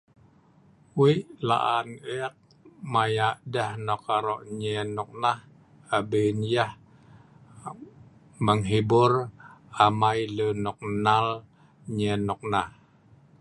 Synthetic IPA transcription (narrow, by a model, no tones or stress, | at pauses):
wiʔla̰ʔanɛk̚ | majaʔdəhnɔkaɾɔʔɲɛnɔk̚nah | abenjah | məŋɦibʊramajlənɔk̚nal | ɲɛnɔk̚nah